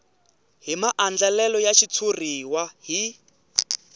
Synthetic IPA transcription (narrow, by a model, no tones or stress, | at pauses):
ɦimaʔand͡ɮalɛlɔjaʃit͡sʰuriwaɦi